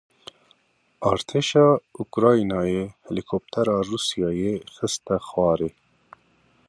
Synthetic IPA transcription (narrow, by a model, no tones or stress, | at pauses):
ɑːɾt̪ʰeʃɑːukɾɑːjnɑːjehɛlikʰop̚t̪ʰɛɾɑːruːsijɑːjexɨst̪ɛxwɑːɾe